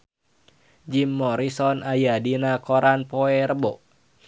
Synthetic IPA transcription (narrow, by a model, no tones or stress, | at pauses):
d͡ʒimːɔɾisɔnajadinakɔɾanpoɛɾəbɔʔ